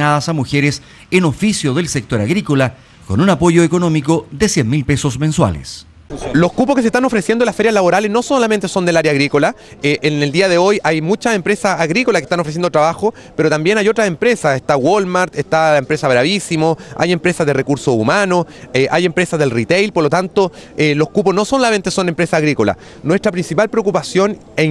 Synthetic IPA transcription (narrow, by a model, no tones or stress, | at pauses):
naðasamuxeɾes | enofisjoðelsek̚t̪oɾaɣɾikola | ko̰nunapoʝoekonomikoðesjenmilpesosmẽnswa̰lḛs | lohkup̬okeseht̪ano̞fɾesjend̪olasfeɾjazlaβo̞ɾalesno̞solament̪eso̞nd̪elaɾjaːɣɾikolaeʔeneld̪iaðeo̞jajmut͡ʃasempɾesasaɣɾikolakeht̪anfɾes̬jend̪ot̪ɾaβaxo | peɾot̪ambje̞najotɾasempɾesaseht̪awolmaɾt̪eht̪aempɾesaɣɾaβisimoa̰je̞mpɾesazðerekuɾsoumanoeʔaje̞mpɾesazðe̞lrit̪ejlpoɾlot̪ant̪oelohkup̬osnosonlament̪eso̞nempɾesaːɣɾikola̰ | nwe̞st̪ɾapɾinsipalpɾeokupasjo̞n | e